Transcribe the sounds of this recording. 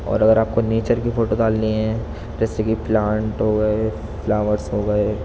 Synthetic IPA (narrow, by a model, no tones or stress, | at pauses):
ɔ̰ːɾɐɡəɾaːp̚koneːt͡ʃəɾkifoːʈod̪aːlːiɦɛ̃ | d͡ʒɛːsekiplãːɳʈɦoːɡɐe | flaːʋəɾsɦoːɡɐe